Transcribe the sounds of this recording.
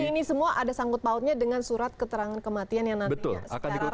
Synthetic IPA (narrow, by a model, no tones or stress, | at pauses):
inisəmuaʔadasaŋkʊt̪̚paʊt̪̚ɲadəŋansuɾat̪̚kət̪əɾaŋankəmat̪ianjaŋnanbəit̪ʊ̰lsa̰kaniu